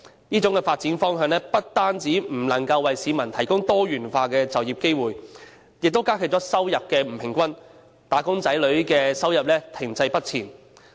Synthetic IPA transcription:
niː˥t͡sʊ˨˥ŋkɛ˧faː˧t̚t͡siː˨˥nfɔː˥ŋɦœː˨˧ŋnɛː˥pɐ˥t̚t̪aː˥nt͡siː˨˥m̩˨˩lɐ˨˩ŋkɐ˧wːɐ˨jsiː˨˧mɐ˨˩nt̪ʰɐ˨˩jkʊ˥ŋt̪ɔː˥ɥyː˨˩nfaː˧kɛː˧t͡sɐ˨wjiː˨p̚ke˥jwuː˨˩j | jɪ˨k̚t̪o˥wkaː˥kʰɵ˨t͡ʃɔː˨˥sɐ˥wjɐ˨p̚kɛː˧m̩˨˩pʰɪ˨˩ŋkʷɐ˥n | t̪aː˨˥kʊ˥ŋt͡sɐ˨˥jlɵ˨˥ɥkɛː˧sɐ˥wjɐ˨p̚lɛː˥t̪ʰɪ˨˩ŋt͡sɐ˧jpɐ˥t̚t͡sʰiː˨˩n

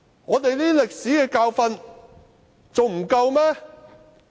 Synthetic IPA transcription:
ŋɔː˨˧t̪e˨jliː˥lɪ˨k̚siː˨˥kɛː˧kaː˧wfɐ˧n | t͡so˨wm̩˨˩kɐ˧wmɛː˥

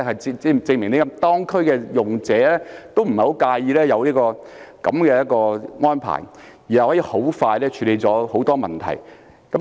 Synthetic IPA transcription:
hɐ˨jt͡sɪ˧ŋmɪ˨˩ŋni˥kɐ˧˦mt̪ɔː˥ŋkʰɵ˥ɥkɛː˧jʊ˨ŋt͡sɛː˨˥lɛː˥t̪o˥wm̩˨˩hɐ˨˩ho˨˥wkaː˧jiː˧lɛː˥jɐ˨˧wliː˥kɔː˧ | kɐ̰˨˥mkɛː˧jɐ˥t̚kɔː˧ŋɔː˥npʰa̰ː˨˩j | jiː˨˩a˨˩hɔː˨˥jiː˧ho˨˥wfaː˧jlɛː˥t͡ʃʰyː˨˧le˨˧jt͡sɔː˨˥ho˨˥wt̪ɔː˥mɐ˨˩nt̪ʰɐ̰˨˩j | kɐ˨˥

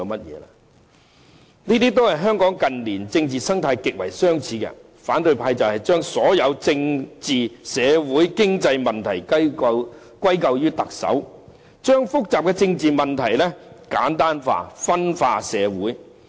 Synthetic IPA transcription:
wmɐ˥t̚jɛː˨˧la̰ː˧ | niː˥t̪iː˥t̪̬o˥whɐ˨jɦœː˥ŋkɔː˨˥ŋkɐ˨nliː˨˩nt͡sɪ˧ŋt͡siː˨sɐ˥ŋt̪ʰaː˧jkɪ˨k̚wɐ˨˩jsœː˥ŋt͡sʰiː˨˧˥kɛ̰˧ | faː˨˥nt̪ɵ˧ɥpʰaː˧jt͡sɐ˨whɐ˨˩jt͡ʃœː˥ŋsɔː˨˥jɐ˨˧wt͡sɪ˧ŋt͡siː˨sɛː˨˧wuː˨˥jkɪ˥ŋt͡sɐ˧jmɐ˨nt̪ʰɐ˨˩j | kʷɐ˥jkɐ˧wjyː˥t̪ɐ˨k̚sɐ̰˨˥w | t͡ʃœː˥ŋfʊ˥k̚t͡saː˨p̚kɛ˧t͡sɪ˧ŋt͡siː˨mɐ˨˩nt̪ʰɐ˨˩jlɛ˥kaː˨˥nt̪aː˥nfa̰ː˧fɐ˥nfa̰ː˧sɛː˨˧wuː˨˥j

